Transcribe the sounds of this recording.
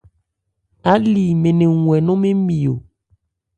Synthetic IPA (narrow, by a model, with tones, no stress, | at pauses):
a˨˦li˨mẽ˨nẽ˨ŋũ˨ɛ˨nɔ̃˦mẽ˦mĩ˨o˨